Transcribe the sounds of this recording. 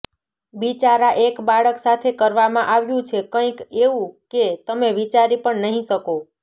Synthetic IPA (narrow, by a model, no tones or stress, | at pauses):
ʋit͡ʃaɾaʔekbaɭəksat̪ʰekəɾʋamãʔaʋjũt͡ʃʰekə̃ĩkeʋũket̪əmeʋit͡ʃaɾipəɳnəɦĩʃəko